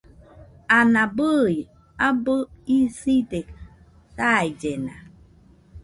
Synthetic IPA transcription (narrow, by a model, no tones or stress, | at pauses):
anabəj | abəisitek | sajd͡ʒena̰